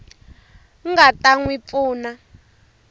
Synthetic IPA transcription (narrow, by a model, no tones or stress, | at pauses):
ŋɡatʼaŋwip̪fuːna